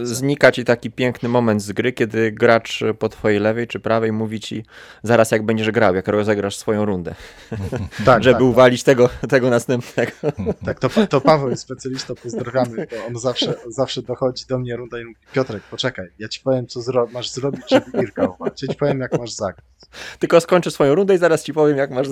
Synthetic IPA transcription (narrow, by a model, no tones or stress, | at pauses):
zɲikat͡ɕit̪akʲipʲjɛŋknɘmɔmɛnd̪zɡɾɘkʲɛd̪ɘɡɾat͡ʂpɔt̪fɔjejlɛvɛjt͡ʂɘpɾavɛjmuvʲit͡ɕḭ | zaɾasjaɡbɛɲd͡ʑɛʐɡɾawjakɾɔzɛɡɾaʂsfɔjɔ̃w̃ɾund̪ɛ | t̪aʐɛɘuvalʲit͡ɕt̪ɛɡɔt̪ɛɡɔnast̪ɛmpnɛɡɔt̪akt̪ɔt̪ɔpavɛwspɛt̪sʲjalʲist̪ɔpɔzd̪ɾavʲjamɘt̪ɔɔnzafʂɛzafʂɛd̪ɔxɔd͡ʑid̪ɔmɲɛɾund̪aimuvʲipʲjɔt̪ɾɛk̚pɔt͡ʂɛkajjat͡ɕi̥pɔvʲjɛmsɔzɾɔmaʐzɾɔbʲit͡ɕt͡ʂɨiɾkauvat͡ɕɛt͡ɕi̥pɔvʲjɛmjak̚maʐzaɡɾat͡ɕt̪ɘlkɔskɔɲʲt͡ʂɘsfɔjɔ̃w̃ɾund̪ɛizaɾast͡ɕipɔvʲjɛmjakmaʐ